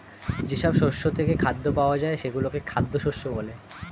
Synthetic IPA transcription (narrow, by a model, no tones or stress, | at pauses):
d͡ʑeʃɔbʃoɾʃot̪ʰekekʰad̪ːopaoad͡ʑaeʃeɡulokekʰad̪ːoʃoɾʃːobole